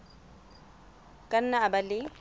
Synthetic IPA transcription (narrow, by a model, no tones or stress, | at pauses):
kʼan̩naːbalɪ